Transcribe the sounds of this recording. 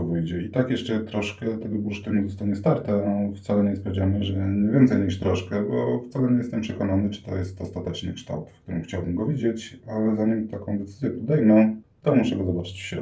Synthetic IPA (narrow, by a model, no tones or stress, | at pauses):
vɘjd͡ʑɛit̪akjɛʂt͡ʂɛt̪ɾɔʂkɛt̪ɛɡɔbuʂt̪uɲɛzɔst̪aɲɛst̪aɾt̪ɛft̪salɛɲɛspɾavd͡ʑaməʐɛɲɛvʲjɛnt̪sɛjɲiʂt̪ɾɔʂkɛbɔ̰ft̪salɛɲɛjɛst̪ɛmpʂɛkɔnanɘt͡ʂɨ̥t̪ɔ̰jɛst̪ɔst̪at̪ɛt͡ʂnɘ̰kʂt̪a̰wt̪fk̚t̪uɾɨ̰mxt͡ɕawbɘmɡɔvʲid͡ʑet͡ɕalɛzaɲimt̪akɔ̃w̃d̪ɛt̪sɘzʲjɛpɔd̪ɛjmɔ̃t̪ɔmuʂɛɡɔzɔbat͡ʂɘ̥t͡ɕfɕɾɔ̰